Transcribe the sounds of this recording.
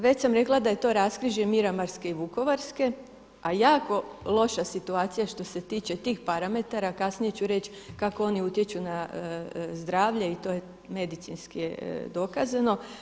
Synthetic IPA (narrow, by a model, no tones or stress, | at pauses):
ʋet͡ɕsamɾe̞klˠad̪aje̞t̪o̞ːɾaskɾiʒemiɾamaɾskeiʋuko̞ʋaɾske̞ | ajaːko̞lˠo̞ʃasit̪uaːt̪sijaʃt̪o̞se̞t̪iːt͡ʃet̪iːxpaɾame̞t̪aɾakasnije̞t͡ɕuɾe̞t͡ʃ | kakoo̞niut̪jet͡ʃuna | zd̪ɾaːʋʎe̞it̪o̞je̞ | me̞d̪it̪sinskied̪o̞kazano̞